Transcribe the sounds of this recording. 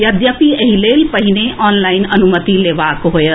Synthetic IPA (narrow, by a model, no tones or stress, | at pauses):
jɐd̪jəpiɐɦileːlpɐɦɪneʔɔːnlaːɪnɐnʊmət̪ileːʋaːkɦojə